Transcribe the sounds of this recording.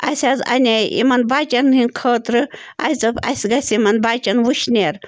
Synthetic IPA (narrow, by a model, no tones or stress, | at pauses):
ɐ̰sʲazɐ̰nʲeḭmɐnbaːt͡ʃɐnɦinkʰəːt̪ɾɨ | ɐjt͡sɐpɐ̰sʲɡɐsʲimɐnbaːt͡ʃɐnʋuʃnʲeɾ